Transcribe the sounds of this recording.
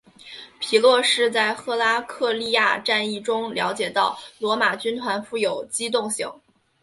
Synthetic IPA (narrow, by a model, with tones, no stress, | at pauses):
pʰi˨˩lwɔ˥˧ʂɻ̩˥˧t͡sa˥˧ɪxɤ˥˧la˥kʰɤ˥˧li˥˧ja̰˥˧ʈ͡ʂa˥˧ni˥˩ʈ͡ʂʊ˥ŋljɑ˧˥ʊt͡ɕjɛ˨˩t̪ɑ˥˩ʊlwɔ˧˥ma˨˩t͡ɕy˥nt̪ʰwa˧˥nfu˥˩jo˨˩ʊt͡ɕi˥t̪ʊ˥˧ŋɕḭ˧˩˦ŋ